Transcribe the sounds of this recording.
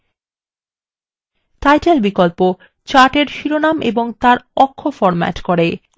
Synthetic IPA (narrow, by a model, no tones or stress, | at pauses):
tajʈelbikolpo | t͡ɕaʈeɾʃiɾonamʔḛboŋt̪aɾɔkʰːofɔɾma̰ʈkoɾe